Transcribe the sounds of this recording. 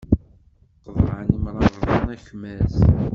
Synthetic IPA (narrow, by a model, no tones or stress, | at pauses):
qːvʕənəmɾˤɑˤənæçmæz